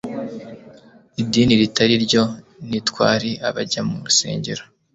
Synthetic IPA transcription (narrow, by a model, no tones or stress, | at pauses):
idiːniɾitaɾiɾɟo̞nitwa̰ːɾiaβaɟamuɾuse̞̰ːɲɟe̞ɾo